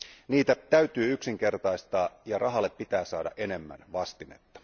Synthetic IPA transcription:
niːt̪æt̪æyɥt̪yːyksiŋk̟e̞rt̪ɑjst̪ɑːjɑrʔɑɦɑlːepːit̪æːsɑːdɑ̰ʔe̞ne̞mːæ̰nʋɑst̪ine̞̰t̪ːɑ̥

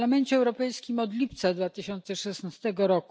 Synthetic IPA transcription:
amɛnt͡ɕɛːwɾɔpɛjskʲimɔd̪lʲipt̪sad̪vat̪ɘɕɔnt̪sɛʂɛsnast̪ɛɡɔɾɔku

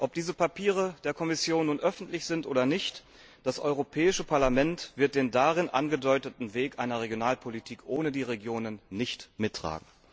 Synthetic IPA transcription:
ʔɔp̚d̥iːzəpapʰiːʁ̞əd̥eːɐkʰɔmɪsjoːnːuːnʔœfn̩tlɪçz̥ɪntʔoːdɐnɪçt | d̥asʔɔʏʁ̞opʰɛːɪʃəpʰaɐlamɛntv̥ɪɐt̚d̥eːndaʁɪnʔa̰nɡədɔʏtətn̩veːkʔaɪnɐʁ̞eɡjonaːlpʰolitʰiːkʔoːnədiːʁeɡjoːnənːɪçtmɪtːʁ̥a̰ːɡŋ̩

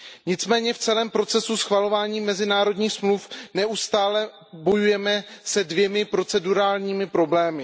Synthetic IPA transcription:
ɲɪt͡smɛːɲɛft͡sɛlɛːmpɾo̞t͡sɛsusxvalo̞vaːɲiːmɛzɪnaːɾo̞dɲiːxsmlufnɛʔust̪aːlɛ | bo̞jujɛmɛsɛdvjɛmɪpɾo̞t͡sɛduɾaːlɲiːmɪpɾo̞blɛːmɪ

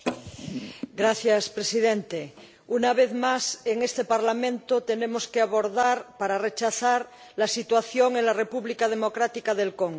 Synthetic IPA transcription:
ɡɾaθjaspɾesiðẽnt̪e | unaβeθmaseŋest̪epaɾlamẽnt̪ot̪enemoskeaβoɾðaɾpaɾaret͡ʃaθaɾ | lasit̪waθjoŋenlarepuβlikað̞emokɾat̪ikaðelkoŋɡ

